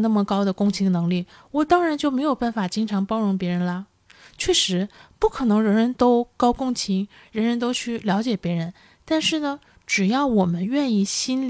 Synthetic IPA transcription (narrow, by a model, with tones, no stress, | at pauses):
na˥˩mə˩kɑ˥ʊd̪ə˨kʊ˥ŋt͡ɕʰi˧˥ŋ˧nɤ˧˥ŋli˥˩ | wɔ˨˩t̪ɑ˥ŋɻa˧˥nt͡ɕjo˥˩ʊme˧˥ɪjo˨˩ʊpa˥˩nfa˨˩t͡ɕi˥ŋʈ͡ʂʰɑ˧˥ŋpɑ˥ʊɻʊ˧˥ŋpjɛ˧˥ɻə˧˥nlɐ˧ | t͡ɕʰɥɛ˥˩ʂɻ̩˧˥pu˥˩kʰɤ˨˩nɤ˧˥ŋɻə˧˥nɻə˧˥nt̪o˥ʊkɑ˥ʊkʊ˥˧ŋt͡ɕʰi˧˥ŋ | ɻə˧˥nɻə˧˥nt̪̬o˥ʊt͡ɕʰy˥˩ljɑ˧˥t͡ɕjɛ˨˩pjɛ˧˥ɻə˧˥n | t̪a˥˧nʂɻ̩˥˩nə˩ | ʈ͡ʂɻ̩˨˩jɑ˥˩ʊwɔ˨˩mə˦nɥɛ˥˧ni˥˩ɕi˥n